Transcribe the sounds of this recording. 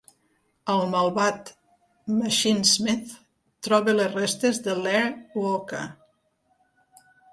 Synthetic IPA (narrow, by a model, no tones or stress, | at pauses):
əlˠməlˠβat̪ | məʃinzmiθ | t̪ːɾɔβelerest̪ezðəlɛɾwoka̰